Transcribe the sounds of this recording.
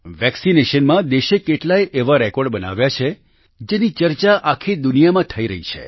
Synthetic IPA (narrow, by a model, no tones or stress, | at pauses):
ʋɛksineʃənmãd̪eʃekeʈlaeʔeʋaɾekɔɾɖbəna̰ʋjat͡ʃʰe | d͡ʒenit͡ʃəɾt͡ʃaʔakʰid̪unijamãt̪ʰəiɾə̰ɦit͡ʃʰḛ